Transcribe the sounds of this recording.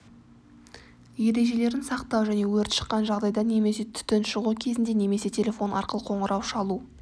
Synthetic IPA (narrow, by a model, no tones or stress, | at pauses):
je̞ɾe̞ʒe̞le̞ɾɪnsɑqt̪ɑwʒæne̞wɵɾt̪ʃə̥qːɑnʒɑʁd̪ɑjd̪ɑne̞me̞se̞t̪ʰʏ̥t̪ːenʃəʁukʲʰe̞zɪnd̪e̞ne̞me̞se̞t̪ʲʰe̞lʲe̞fo̞nɑ̰ɾqəlˠəqʰo̞ɴəɾʔɑwʃɑlˠu